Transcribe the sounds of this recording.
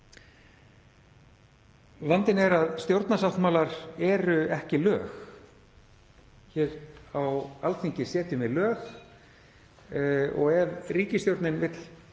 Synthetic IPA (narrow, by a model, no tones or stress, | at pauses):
lant̪ɪnɛɾaðst̪jowɾt̪nasawt̪maːwlaɾɛɾʏɛhcɪlœːx | çɛɾawalθiɲcɪsjɛːt̪ʏmvɪlœːx | ɔ̰ɣɛvriːcɪst̪jowɾt̪nɪnvɪt̪l̥